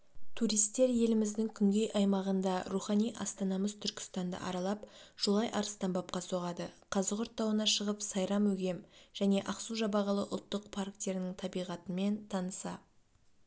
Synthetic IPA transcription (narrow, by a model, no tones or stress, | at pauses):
t̪ʰuɾijst̪ːe̞ɾje̞lɪmɪzd̪ɪŋkʲʰʏŋɡʲe̞jʔɑjmɑʁənd̪ɑɾuχɑnijʔɑ̰st̪ɑnɑməzt̪ʰʏɾkʲɪ̥st̪ɑnd̪ə̰ʔɑ̰ɾɑlˠɑpʒ̥olˠɑjʔɑɾəst̪ɑmbɑp̚qɑso̞ʁɑd̪əqʰɑzəqʊɾt̪ːɑwənɑʃəʁəpsɑjɾɑmɵɡʲe̞mʒ̥æne̞ʔɑqsuʒɑbɑʁəlˠəʔʊ̰lˠt̪ːəqpʰaɾk̚t̪eɾɪnɪŋt̪ʰɑbijʁɑt̪əme̞nt̪ʰɑnəsɑ